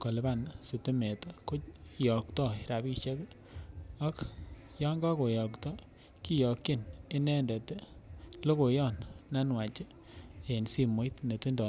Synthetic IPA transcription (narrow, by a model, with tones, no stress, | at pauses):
ko˨le˨ba˦˨nsu˨tu˦me˨to˦ko˦jɔ˨ktɔ˦˨i˨ɾa˨bi˦ʃe˦k | a˦k | jɔ˦ŋɡa˦ko˨jɔ˨ktɔ˦ | ki˦jɔ˨kːi˦˨ne˦nɛ˦ndɛ˨te˦ | lo˦ko˨jɔ˦˨nːa˦nwa˨t͡ʃe˦ | e˨nsi˦mo˨˦i˦tne˨ti˦ndɔ˨n